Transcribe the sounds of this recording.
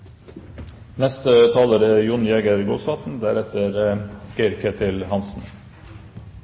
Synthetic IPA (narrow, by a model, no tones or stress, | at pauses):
nɛst̪ət̪ʰɑːləɾəjʊnjɛɡəɾɡoːsɑːt̪n̩d̪æɾɛt̪əɾɡ̥ɪɾkʰət̪ʰɪlhɑnsn̩